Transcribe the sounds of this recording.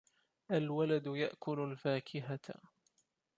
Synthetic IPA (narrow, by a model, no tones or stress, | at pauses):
ʔalwalad̪jaʔkʊlʊlfaːkʰɪɦa